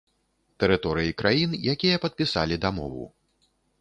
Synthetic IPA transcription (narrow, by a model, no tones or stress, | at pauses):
t̪ɛɾɨt̪ɔɾɨjikɾʔajinjakʲijɐpɐt̪̚pʲisa̰lʲid̪amɔ̰vṵ